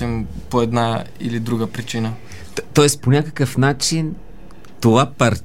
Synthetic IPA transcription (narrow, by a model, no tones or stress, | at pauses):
ɛmpoɛd̪naḭlid̪ɾuɡəpɾit͡ʃinə | t̪ɔɛsponʲakəkəfnat͡ʃin | t̪ovapɐɾ